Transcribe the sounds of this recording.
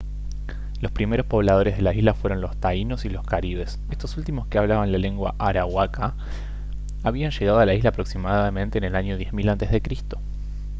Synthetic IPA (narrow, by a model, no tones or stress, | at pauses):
lo̞spɾime̞ɾo̞spo̞β̞lað̞o̞ɾe̞zðe̞laizlafwe̞ɾo̞nlo̞st̪aino̞silo̞skaɾiβ̞e̞s | e̞st̪o̞sult̪imo̞skeaβlaβanlale̞ŋɡwa̰ʔaɾawaka | aβianʃeɣaðoalaizlaːpɾo̞ksimaðamẽ̞nt̪e̞ːnelaɲo̞ð̞je̞zmilant̪e̞zðe̞kɾist̪o̞̥